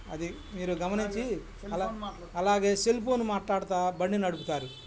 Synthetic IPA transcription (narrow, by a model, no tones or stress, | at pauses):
ɐd̪i | miːɾuɡɐmɐniɲt͡ʃi | ɐl | ɐlaːɡe̞ːselp̬oːnumaːʈlaːɽɐt̪aːbɐɳːinɐɽup̬ut̪aːɾi